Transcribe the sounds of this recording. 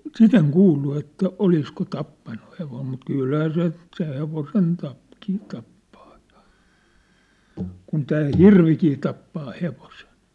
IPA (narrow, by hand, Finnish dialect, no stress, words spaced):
sit eŋ kuːlːu etːæ olisko t̆ɑpːɑnːu heʋom mut kylhæː se se heʋosen tɑp kin tɑpːɑ̥ː j̊ɑ̥ kun tæː hirʋikiː tɑpːɑː heʋosen̞